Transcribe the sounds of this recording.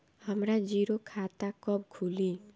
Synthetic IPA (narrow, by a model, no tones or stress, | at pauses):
həmɾad͡ʒiɾokʰat̪akɔb̚kʰuli